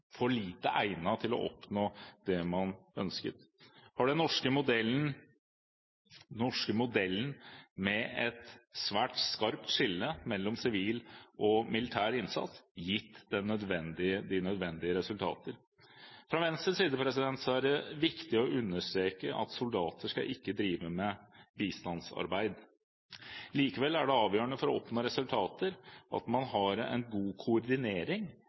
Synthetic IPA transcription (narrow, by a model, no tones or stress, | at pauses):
fɔɭiːt̪əʔæɪnɑt̪ʰɪlɔ̰ʔɔ̰pnoːd̪ɛmɑnœnskə̰t̪ | hɑɖɛnːɔʂkəmʊd̪ɛln̩ | ɔʂkəmʊd̪ɛlːn̩mɛɛt̪sʋæːʈskɑɾp̚t̪ʂɪlːəmɛlːɔmsɪʋiːlʔɔmɪlɪt̪ʰæːɾɪnsɑ̰t̪sjɪt̪ːd̪ɛnːœd̪ʋɛnd̪ɪəd̪ɪnœd̪ʋɛnd̪ɪəɾɛsʉlt̪ʰɑ̰ːt̪əɾ | fɾɑʋɛnst̪ɾəsiːd̪əpʰɾɛsɪd̪ɛnt̪sɔæɖɛʋɪkt̪ɪɔʉnːəʂʈ̪ɾeːkəʔɑ̰t̪sʊld̪ɑːt̪əʂkɑ̰ʔɪkːəd̪ɾiːʋəmɛbiːst̪ɑnsɑ̰ɾbæɪd̪ | liːkəʋɛlːæɖɛɑːʋjøːəɳəfɔɾɔɔpnoːɾɛsʉlt̪ʰɑːt̪əɾʔɑ̰t̪mɑnhɑɾɛ̰nɡuːkʰʊɔɾd̪ɪneːɾɪŋ